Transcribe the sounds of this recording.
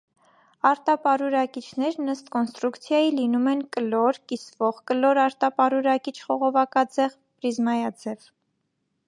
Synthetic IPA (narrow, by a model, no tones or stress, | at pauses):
ɑɾt̪ɑpɑɾuɾɑkit͡ʃʰnɛɾnəst̪kɔnst̪ɾukt͡sʰjɑjilinumɛnkəlɔɾkisvɔʁkəlɔɾɑɾt̪ɑpɑɾuɾɑkit͡ʃʰχɔʁɔvɑkɑd͡zɛʁ | pɾizmɑjɑd͡zɛv